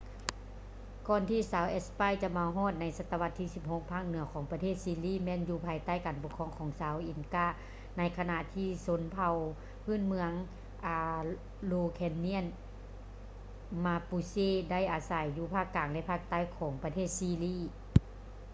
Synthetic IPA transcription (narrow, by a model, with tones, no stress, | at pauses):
kɔː˧˨nt̪ʰiː˧˩saː˨˦wʔɛ˧˥spaː˧˥˨jt͡ɕa˧˥maː˧wɦɔː˧˥˩t̪̚na˧˥jsa˧t̪ːa˧ʋa˧˥t̪ʰːiː˧˩si˧˦p̚ho˧˥k̚pʰaː˧˥˩k̚nɯ˨˩˦ɐkʰɔː˨˦ŋpa˧t̪ʰeː˥˩t̪̚siː˧liː˧˥˨mɛː˧˥˨njuː˧pʰaː˧jt̪a˥˩˨jkaː˨npo˧kʰɔː˧˨ŋkʰɔː˨˦ŋsaː˨˦wʔi˨˩nkaː˧˥˩ | na˧˥jkʰa˧na˧ʔt̪ʰiː˧˩so˧˦npʰa˧˩w | pʰɯː˥˨nmɯ˧əŋ | ʔaː˧ | loː˧kʰɛ˧nːi˧˥ə˨n | maː˧puː˧seː˧˩da˥˩jʔaː˨sa˨˦jːuː˧pʰaː˧˥˩kːaː˨˩ŋlɛ˧ʔpʰaː˧˩k̚t̪a˧˥˨jkʰɔː˩˦ŋpa˧t̪ʰeː˥˩t̪̚siː˧liː˧˥˩